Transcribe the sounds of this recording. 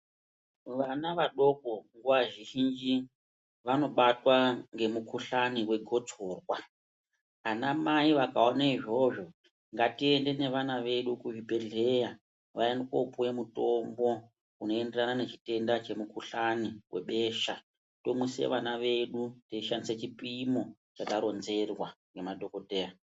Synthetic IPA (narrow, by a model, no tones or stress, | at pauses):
ʋanaʋaɗo̞ko̞ŋɡuʋaʒiʒind͡ʒi | ʋano̞ɓatwaŋɡe̞mukuɬaniwe̞ɡʱo̞d͡zʱoːrwa | anamaiʋakaonaiʐo̞ʐo̞ | ŋɡatie̞nde̞ne̞ʋanaʋe̞ɗukuʐipe̞ɮe̞ja | ʋaendikopujemuto̞mbo̞ | uno̞e̞nde̞ranane̞t͡ʃi̥te̞ndat͡ʃe̞mukuɬaniwʔe̞̰ɓe̞ːʃa | to̞muse̞̰ʋanaʋe̞ɗuteiʃandiset͡ʃipimo̞t͡ʃataɾo̞nze̞rwaŋɡe̞madʱo̞ko̞te̞ːja